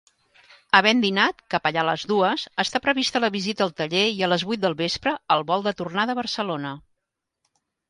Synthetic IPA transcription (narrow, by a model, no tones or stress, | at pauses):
əβɛnd̪inat̪kapəʎaləzðuəzəst̪apɾəβist̪ələβizit̪əːlˠt̪əʎeiələzβujt̪̚d̪əlˠβespɾəəlˠβɔlˠd̪ət̪urnaðəβərsəlonə